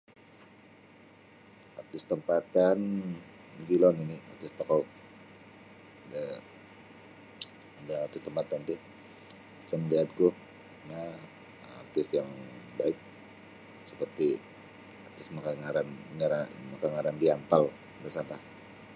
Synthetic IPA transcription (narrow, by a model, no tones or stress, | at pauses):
art̪ɪst̪əmpat̪an | d͡ʒilɔninia̰rt̪ɪst̪akaw | da | daart̪ɪst̪əmpat̪and̪ɪ | t͡ʃamliɦat̪̚kʊh | na | a̰rt̪ɪsjaŋbaɪk̚ | səpərt̪i | art̪ɪsmakaŋaɾannaɾamakaŋaɾandiant̪al | dasampa